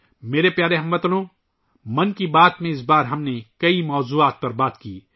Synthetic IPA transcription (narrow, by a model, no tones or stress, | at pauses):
meːɾepjaːɾeɦɐ̃mbɐt̪lõː | mɐ̃nkibaːt̪mẽɪs̬baːɾɦɐmnekɐimɔːzuːaːt̪̚pɐɾbaːt̪kiː